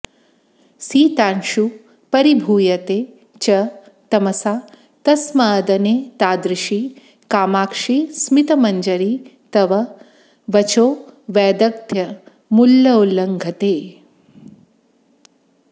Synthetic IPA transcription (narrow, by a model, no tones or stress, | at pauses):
siːt̪aːnʃu | pɐɾibʱuːjɐt̪eː | t͡ʃɐ | t̪ɐmɐsaː | t̪ɐsmɐːd̪ɐneːt̪aːd̪ɾɪʃi | kaːmaːkʂismit̪ɐmɐɲd͡ʒɐɾiːt̪ɐʋɐ | ʋɐt͡ʃoːʋɛːd̪ɐk̚t̪jɐ | mulːɐulːɐŋɡʱɐt̪eː